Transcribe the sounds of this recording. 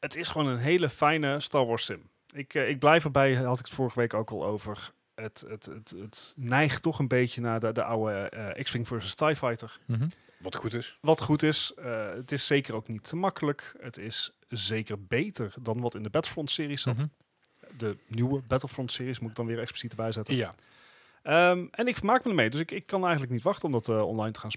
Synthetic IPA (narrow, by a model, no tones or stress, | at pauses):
ətɪsχəʋoːnənɦejləfɛjnəstɑːɹʋɔːɹstɪm | ɪkɪɡ̚blɛjfəɹbɛjɦɑtɪkə̥tfʊːɹəχəʋejkowkɑ̰lˠo̰wvəɹ | ətətətətnɛjχtɔχənbejcənaːdədəʔawəʔɛ̰kspɪŋvɜːɹsəstajfɑjtəɹ | ʋɑtχutɪsʋɑtχutɪsətɪsːejkərowknitəmɑkələkətɪs | zejkəɹbejtəɹdɑnʋɑtɪndəbɛtəl̩ˠfɹɔntsɪːrissɑt | dənywəbɛtəlˠfɹɔntsɪːɹismutɪɡ̚dɑnʋɪːɹɛkspli̥sitəbɛjzɛtə | əʔɛnɪkfəɹmaːk̚mədəmejdɵsɪkɪkːɑnɛjχəntlək̚nitʋɑχtənɔmdɑtəɔ̰nlɑjntə̥χaːns